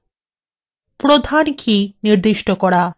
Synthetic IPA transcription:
pɾod̪ʱankʰiniɾd̪iʃʈokɔɽa

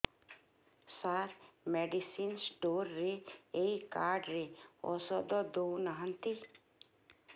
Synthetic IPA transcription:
saɾmeɖisinsʈoːɾːeeikaːɾɖɾeɔ̰sɔd̪ɔd̪onaɦə̃nt̪i

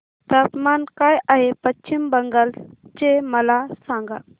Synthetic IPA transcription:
t̪ɐpmankajʔaɦepɐt͡ʃt͡ʃimbɐŋɡəlt͡ʃemɐlasãːŋɡa

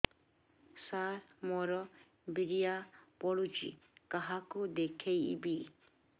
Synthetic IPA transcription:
saɾmɔɾɔ | biɾijapɔɭud͡ʒḭ | kaɦakud̪ekʰejbi

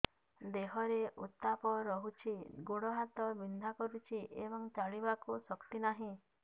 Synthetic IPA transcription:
d̪eɦɔɾeʔut̪ːapɔɾɔɦut͡ʃʰiɡoɽɔɦat̪ɔbind̪ʱakɔɾut͡ʃʰiʔebɔŋt͡ʃaɭibakusɔkt̪inaɦĩ

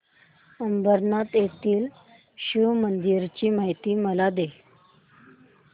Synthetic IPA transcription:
əmbəɾnat̪jet̪iːl | ɕumənd̪iɾt͡ɕiːmaɦjt̪iːməlad̪e

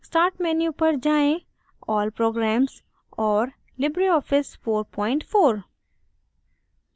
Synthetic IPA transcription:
sʈaːɾʈmɛːnjupɐɾd͡ʒaːẽ | ɔːlpɾoːɡɾɛːmz | ɔːɾ | lɪbɾiɔːfɪsfoːɾpɔːɪ̃ɳʈfoːɾ

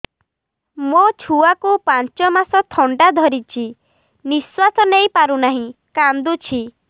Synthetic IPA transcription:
mot͡ʃʰuakupant͡ʃɔmasɔt̪ʰɔɳɖad̪ʱɔɾit͡ʃʰi | niswasɔnejpaɾunaɦĩkand̪ut͡ʃʰi

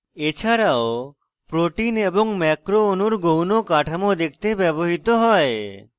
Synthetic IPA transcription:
et͡ɕʰaɾao | pɾoʈineboŋmɛkɾoonuɾɡownokaʈʰamod̪ek̚ʰt̪ebɛboɦit̪oɦɔe

